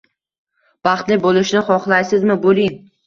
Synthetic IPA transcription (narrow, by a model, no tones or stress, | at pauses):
b̥ɑχt̪lɪbolˠɪʃnɪχɒχlˠajsɪzmɪbolˠɪŋ